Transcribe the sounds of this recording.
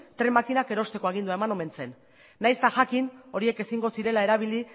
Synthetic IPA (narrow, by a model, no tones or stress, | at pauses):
t̪ɾe̞makinake̞ɾo̞st̪e̞ko̞aɣ̞ind̪uae̞mano̞me̞nt͡se̞nː | ajst̪aʝakino̞ɾie̞ke̞siŋɡo̞siɾe̞lae̞ɾaβ̞ili